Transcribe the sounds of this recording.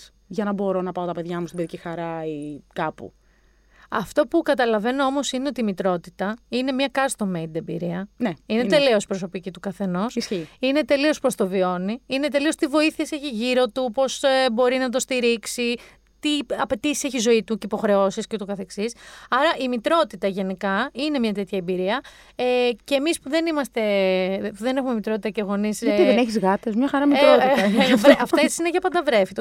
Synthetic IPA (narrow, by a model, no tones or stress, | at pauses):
ʝɐnɐbo̞ɾo̞nɐpɐot̪ɐpe̞ðʝɐmust̪ibeðicixɐɾɐikɐpṵ | ɐft̪o̞pukɐt̪ɐlɐve̞noo̞mo̞sineo̞t̪iːmit̪ɾo̞t̪it̪ɐine̞mɲɐkɐst̪omːeind̪ebḭɾiɐneinet̪e̞leo̞spɾo̞so̞picit̪ukɐθe̞no̞ssiine̞t̪e̞lio̞spɾost̪o̞vio̞niinet̪e̞lio̞st̪ivo̞iθieseçiʝiɾo̞t̪upo̞sebo̞ɾinɐt̪ost̪iɾiksi | t̪iɐpe̞t̪isi̥se̞çizo̞it̪ucipo̞xɾe̞o̞siscet̪okɐθe̞ksisɐɾɐʔimit̪ɾo̞t̪it̪ɐʝe̞nikɐine̞mɲɐt̪e̞t̪çɐembiɾiɐ | eceːmispuðe̞nimɐst̪e̞puðe̞ne̞xume̞mit̪ɾo̞t̪it̪ɐceɣo̞nisieneçizɣɐt̪ezmɲɐxɐɾɐmit̪ɾotiɐvɾɐfessineʝɐpɐnd̪ɐvɾe̞fit̪o